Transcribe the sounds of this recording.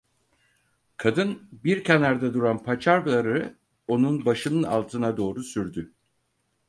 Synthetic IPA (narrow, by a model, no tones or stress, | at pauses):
kʰad̪ɯnbiɾcʰenaɾd̪ad̪uɾanpʰat͡ʃʰaɾlˠaɾɯ | o̞nunbaʃɯnɯna̰lˠt̪ʰɯnad̪o̞ːɾusyɾd̪y